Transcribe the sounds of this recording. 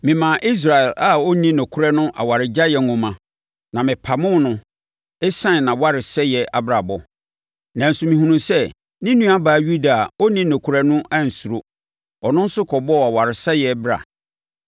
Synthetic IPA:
mɪ̃˨mã˨ʔi˦s̬ɾa˨ɛ˨la˦o˦nĩ˦nɔ̃˨kʰu˦ɾɛ˦nʊ̃˦ʔa̰˨wa˨ɾɪ˨d͡ʑa˦jɛ˨ŋ˨ʊ̃˨mã˨ | nã˨mɪ̃˨pʰa˨mʊ̃˦nʊ̃˦ | e˦sã˦n˨nã˨wa˦ɾɪ˨sɛ˦jɛ˨a˨bɾa˨bɔ˨ | nã˨n̩˨sʊ˨mĩ˨hũ˨nũ˨sɛ˦ | nĩ˦nũ˦a˦baː˨˦ɥu˦da˨o˦nĩ˦nɔ̃˨kʰu˨˦ɾa˦nʊ̃˦ʔa˦˨n̩˨su˨ɾo˦ | ɔ˨nʊ̃˦n̩˦sʊ˦kʰɔ˨bɔ˦˨a˨wa˨ɾɪ˨sɛ˦jɛ˨bɾa̰˨

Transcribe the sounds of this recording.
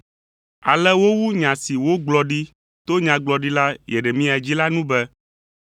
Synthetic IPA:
a˨lɛ˦wo˦wu˦ɲã˨si˨wo˦ɡ͡blɔ˨ɖi˦ | t̪o˦ɲã˨ɡ͡blɔ˨ɖi˦la˦jɛ˨ɖɛ˨mĩ˦a˨d͡ʑi˦la˦nũ˦bɛ˦

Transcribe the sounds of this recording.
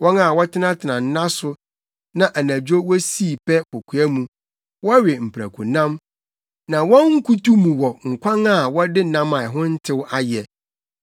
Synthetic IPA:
wɔ̃˦na˨wɔ˦tʰɪ˦nã˦tʰɪ˨nã˨n̩˦nã˦sʊ˦ | nã˨ʔæ˨nã˨d͡ʑᶣo˦wɔ˦si˦˨pʰɛ˦kɔ˨kʰu˨æ˦mũ˨ | wɔ˦ɥɪ˨m̩˨pʰɾæ̰˨kʰu˨nã˦m | nã˨wɔ̃˦nŋ̩˦kʰu˦tu˦mũ˨wɔ˨ŋ̩˨kʰʷã˦ŋa˦˨wɔ˦dɪ˦nã˦ma˨ɛ˨ɦʊ̃˦n̩˦tʰɪ˦wa˦jɛ˨

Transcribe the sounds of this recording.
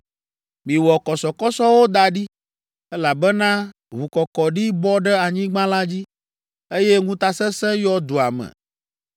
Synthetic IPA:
mĩ˨wɔ˨kɔ˨sɔ˨kɔ˦sɔ˦wo˦d̪a˨ɖi˦ | ɛ˦la˨bɛ˦nã˦ | βu˨kɔ˨kɔ˨ɖi˦bɔ˦ɖɛ˦a˨ɲĩ˦ɡ͡bã˦la˦d͡ʑi˦ | e˦je˦ŋũ˦t̪a˦sɛ˦sɛ̃˦jɔ˦d̪u˨a̰˨mɛ̰˨

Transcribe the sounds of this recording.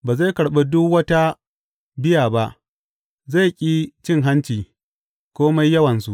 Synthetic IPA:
baː˨za˦˨kɐ˨ɽɓe˦dʊ˦kwɐ˦ta˦ | bɪ˦jaː˨ba˦ʔ | za˦˨kʲʼiː˦t͡ʃɪ˦ŋɦa˦nt͡ʃiː˨ | kʷoː˦ma˦jːɐ˦wɐ˨nsu˨ʔ

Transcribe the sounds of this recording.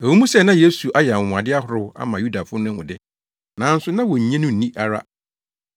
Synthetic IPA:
e˨wu˦mũ˦sɛ˦˨nã˦je˦su˨ʔa˦jɛ˨a˨wʊ̃˨a˨dɪ˦a˦ɦʊ˨ɾʊ˦a̰˦mã˨ju˦da˨fʊ˦nʊ̃˦ʊ̰̃˨dɪ˦ | nã˨˦n̩˦sʊ˦nã˦wɔ˨ɲ̩˨ɲɛ̃˦nʊ̃˦n̩˨nĩ˦ʔa˦˨ɾa˦

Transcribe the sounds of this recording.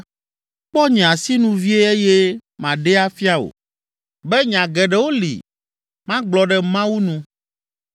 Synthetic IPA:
k͡pɔ˦ɲɛ̃˨a˨si˦nũ˦vi˦e˦e˦je˦mã˨ɖe˦a˦fi˦a˦o̰˨ | bɛ˦ɲ˨ã˨ɡɛ˨ɖɛ˦wo˦lḭ˨ | mã˦ɡ͡blɔ˨ɖɛ˨mã˦wu˦nũ˦

